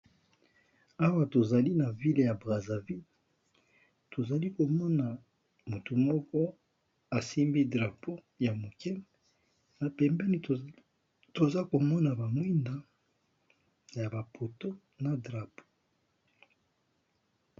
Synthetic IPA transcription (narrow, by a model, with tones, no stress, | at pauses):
a˦wa˨to˨za˨li˦na˨vi˦lja˨bʁa˨za˨vi˦l | to˨za˨li˦ko˨mɔ˦na˨ | mu˨tu˨mɔ˦kɔ˦ | a˨si˦mbi˦dʁa˨po˦ | ja˨mo˨kɛ˦m | na˨pɛ˨mbɛ˦ni˦ | to˨za˦ko˨mɔ˦na˨ba˨mwi˦nda˨ | ja˨ba˨pʰo˨to˦ | na˨dʁa˨po̥˦